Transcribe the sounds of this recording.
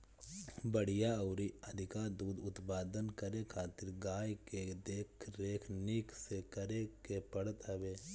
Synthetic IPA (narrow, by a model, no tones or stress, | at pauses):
bəɽ̤ijaɔːɾiəd̪ʱɪkad̪uːd̪ʊt̪paːd̪ənkəɾekʰaːt̪ɪɾɡaːjked̪eːkʰɾeːkʰnɪksekəɾekepəɽət̪ɦəʋeː